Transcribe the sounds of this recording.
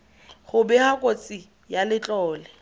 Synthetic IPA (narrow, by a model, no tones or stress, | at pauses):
χʊbɛhakʼot͡sʼi | jalɪt͡ɬʼɔːlɛ